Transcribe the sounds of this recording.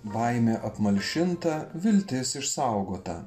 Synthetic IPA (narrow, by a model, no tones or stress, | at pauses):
ʋɐɪmʲeːʔɐpmɐlʲʃʲɪnt̪ɐʋʲɪlʲt̪ʲɪsɪʃsɑʊɡoːt̪ɐ̰